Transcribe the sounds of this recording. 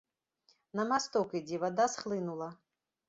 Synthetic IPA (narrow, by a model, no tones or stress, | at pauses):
nɐmast̪ɔkid͡zʲivad̪asxlˠɨnulˠɐ